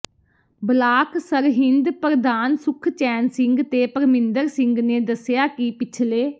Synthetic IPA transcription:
blaːksəɾɦɪnd̪pəɾd̪aːnsʊkʰt͡ʃɛːnsɪŋɡt̪eːpəɾmɪnd̪əɾsɪ̃ŋɡneːd̪əsɪjaːkɪpɪt͡ʃʰleː

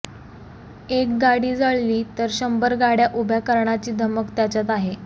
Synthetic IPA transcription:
ek̚ɡaɽiːd͡zaɭliːt̪əɾɕəmbəɾɡaɽjaʔubʱjakəɾɳat͡ɕiːd̪ʱəməkt̪jat͡ɕat̪aɦe

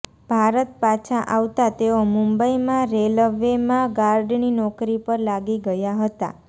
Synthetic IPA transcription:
b̥ʱaɾət̪̚pat͡ʃʰãʔaʋt̪at̪eomũmbəimãɾeləʋemãɡaɾɖninɔkɾipəɾlaɡiɡəjaɦət̪a̰

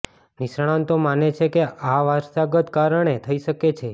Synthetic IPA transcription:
niʃɳ̃ãnt̪omanet͡ʃʰekeʔaʋaɾsaɡət̪kaɾəɳ̃et̪ʰəiʃəket͡ʃʰe

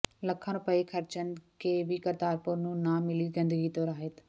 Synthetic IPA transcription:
ləkʰːãːnopəekʰəɾt͡ʃənkeːʋiːkəɾt̪aːɾpʊɾnũːnãːmɪliːɡə̃nd̪əɡiːt̪oːɾaːɦet̪

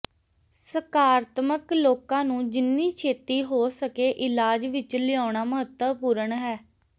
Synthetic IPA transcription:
səkaːɾt̪məkloːkãːnũːd͡ʒɪnːiːt͡ʃʰeːt̪iːɦoːsəkeːʔɪlaːd͡ʒʋɪt͡ʃlɪaːɳaːməɦət̪ːəpuːɾəɳɦɛː

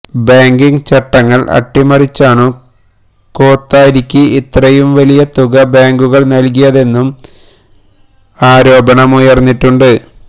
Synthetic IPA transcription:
baːŋɡiŋɡt͡ɕɐʈːɐŋːɐɭɐ̰ʈːimɐrit͡ɕːaːɳɨ | ko̞ːt̪ːaːjiɾikʲːɨit̪rɐjumʋɐlijɐt̪uɣɐbaːŋɡuɣɐɭnɐlk̬ijɐðe̞nːum | aːɾo̞ːbɐɳɐmujɐrnːiʈːuɳɖɨ

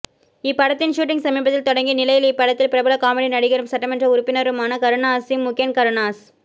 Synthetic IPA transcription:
ɪpːɐɽɐt̪ːɪnʃuːʈ̬ɪŋsɐmiːbɐt̪ːɪlt̪ɔɽɐŋɡinɪlɐjɪlɪpːɐɽɐt̪ːɪlpɪɾɐbɐlɐkaːmɛɽinɐɽɪɣɐɾɯmsɐʈːɐmɛndrɐʊɾʊpːɪnɐɾɯmaːnɐkɐɾɯnaːsɪmmːʊkːɐnkɐɾɯnaːs

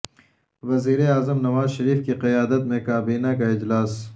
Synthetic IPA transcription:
ʋɐziːɾeaːzəmnɐʋaːzʃɐɾiːfkiqɐjaːd̪ət̪̚mẽkaːbiːnakaɪd͡ʒlaːs

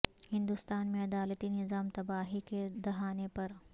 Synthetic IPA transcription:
hɪ̃nd̪ʊst̪aːnmẽɐd̪aːlət̪inɪzaːmt̪ɐbaːɦiked̪ɐɦaːnepɐɾ

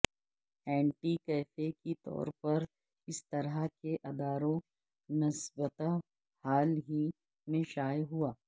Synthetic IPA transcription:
ɛ̃ːɳʈikɛːfekit̪ɔ̰ːɾpɐɾ | ɪst̪ɐɾakeʔɐd̪aːɾõ | nɐsbət̪a | haːlɦi | mẽʃaːjɦuaː

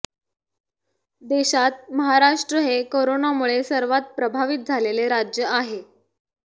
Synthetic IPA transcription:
d̪eɕat̪̚məɦaɾaʂʈɾəɦekoɾonamuɭesəɾʋat̪̚pɾəbʱaʋit̪̚d͡zʱaleleɾad͡ʑjəaɦe

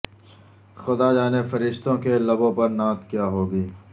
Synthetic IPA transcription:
xʊd̪ad͡ʒaːnefɐɾɪʃt̪õkelɐbõpɐɾnãːt̪kjaːɦoːɡiː

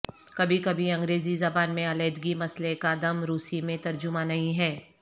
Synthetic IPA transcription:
kɐbʱikɐbʱiɐ̃ŋɡɾeːzizɐbaːnmẽɐleːd̪ɡimɐslekad̪ɐmɾuːsimẽt̪ɐɾd͡ʒʊmanɐɦĩɦɛː

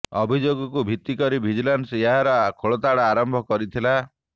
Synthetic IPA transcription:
ɔbʱid͡ʒoɡɔkubʱit̪ːikɔɾibʱid͡ʒilanseɦaɾɔkʰoɭɔt̪aɽaaɾɔmbʱɔkɔɾit̪ʰila

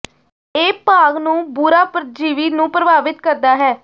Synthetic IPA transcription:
eːpaːɡnũːbʊɾaːpɾəd͡ʒiːʋiːnũːpɾəbaːʋɪt̪kəɾd̪aːɦɛː

